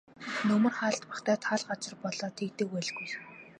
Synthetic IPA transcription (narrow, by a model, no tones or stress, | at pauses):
nɵmɵ̆rχaːɮt̪paχt̪ʰæːt̪ʰaɮɢat͡sɪ̆rpɔɮɔːt̪ʰek̚t̪eːwæɮɣuj